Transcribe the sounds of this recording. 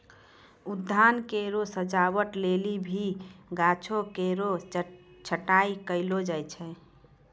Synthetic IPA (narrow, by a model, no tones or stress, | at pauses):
ud̪ʱːankeɾosəd͡ʒawəʈlelibʱiɡat͡ʃʰokeɾo | t͡ʃʰəʈaikəɪlod͡ʒajt͡ʃʰɛ